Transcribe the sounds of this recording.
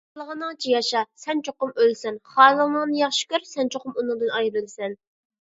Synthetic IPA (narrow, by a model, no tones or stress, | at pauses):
lˠəʁənɨŋt͡ʃʰijɑʃɑsɛnt͡ʃʰoqʊmølsɛnχɑːlˠəlnəŋnɨjɑχʃɪ̥kʲyɾsɛnt͡ʃʰoqʊmunɨŋd̪ɨnɑjɾɨlˠsɛn